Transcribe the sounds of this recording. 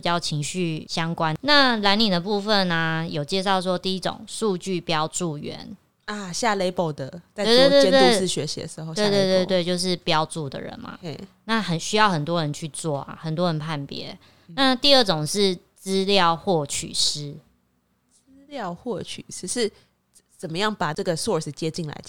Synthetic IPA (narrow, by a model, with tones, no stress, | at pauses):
i˨˩t͡ɕjɑ˥˩ʊt͡ɕʰi˧˥ŋɕy˥˩ɕjɑ˥ŋkwa˦nna˥˩la˧˥nli˨˩d̪ə˩pu˥˧fə˨na˩jo˨˩ʊt͡ɕjɛ˥˧ʂɑ˥˩ʊʂ̬wɔ˥t̪i˥˧i˧˥ʈ͡ʂo̰˨˩ŋʂu˥˧t͡ɕy˥˩pjɑ˥ʊʈ͡ʂu˥˩ɥɛ̰˧˦n | a˨˩ɕja˥˧le˥ɪpo˥˩ʊd̪ə˨˩t̪a˥˧e˥˩˨t̪we˥˧t̪e˥˧t̪w̪ɪ˥˨ɕɥɛ̰˧˦ɕḭ˨˦d̪ə˧˩ʂ̩˧˥xo˥˧we˥˧t̪we˥˧t̪we˥˧t̪we˥˧ɪt͡ɕjo˥˧ʊʂ̬ɻ̩˥˩pjɑ˥˦ʊt͡su˥˩d̪ə̰˨ɻə̰˧˦nmɐ̰˨˩˨na˥˨xə˨˩nɕy˥jɑ˥˩ʊxə˨˩nt̪̬wɔ˦ɻə˧˦nt͡ɕʰy˥˧t͡swɔ˥˩a̰˩xə˨˩nt̪wɔ˦ɻə˧˦npʰa˥˩npjɛ̰˧˦ | na˥˧t̪i˥˧ə˥˩ʈ͡ʂo˨˩ŋʂɻ̩˥˩ | t͡sɹ̩˥ljɑ˥˧ʊxwɔ˥˩t͡ɕʰy̰˨˩ʂɻ̩˥ | t͡sɹɹɹ̩˥ljɑ˥˧ʊxwɔ˥˩t͡ɕʰy̰˨˩ʂɻ̩˧˥ʂɻ̩˥˩ | t͡sə˨˩mə˦jɑ˥˩ŋpa˨˩ʈ͡ʂə˥˩ɡə˩sɔ˥˨˩s̩˨˩t͡ɕjɛ˥t͡ɕi˥˩ŋla̰˧ɪ